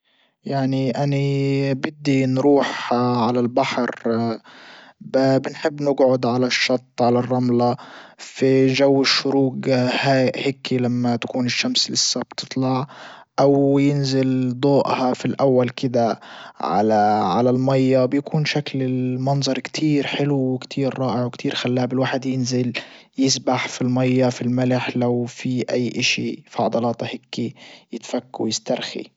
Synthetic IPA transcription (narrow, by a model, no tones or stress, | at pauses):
jaʕniʔanibɪd̪ːinɾuːħʕalalbaħɾ | bbɪnħɪbːnɪɡʕʊd̪ʕalaʃːɑt̪ˤːʕalarˤːɑmlafiʒawːɪʃːʊɾuːɡhaːʔheːkʰːilamːat̪ḁkuːnɪʃːamslɪsːabt̪ɨ̥t̪ˤlɑʕʔawjɪnzɪld̪ˤoːʔhɑfilʔawːalkɪd̪aʕa̰laʕalalmɑjːabjakuːnʃaklɪlmɑnzˤɑɾˤkt̪ʰiːɾħɪluwɪkt̪ʰiːɾːˤɑːʔɪʕwɪkt̪ʰiːɾxalːaːbɪlwaːħɪd̪jɪnzɪl | jɪsbaħfilmɑjːafilmalɪħlawfiʔajːʔɪʃifɑʕɑd̪ˤɑlɑːt̪ˤhɪkːijɪt̪fakːawjɪst̪ɑɾˤxḭ